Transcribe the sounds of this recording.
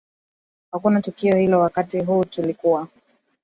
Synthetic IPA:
hakunatukiɔhilɔwakatiɦuːtulikuwa

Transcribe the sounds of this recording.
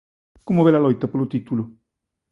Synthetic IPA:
komoβelalojt̪apoɾlot̪it̪ulo

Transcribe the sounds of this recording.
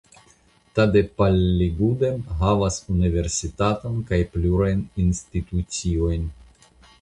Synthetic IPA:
tade̞palːiɡude̞mɦavasunive̞ɾsitatonkajpluɾajninstit̪ut͡sio̞jn

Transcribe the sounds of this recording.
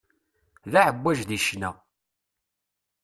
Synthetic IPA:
ðæʕəbːæʒðiʃnæ

